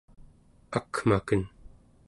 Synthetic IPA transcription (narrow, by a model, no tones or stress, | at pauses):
akmakən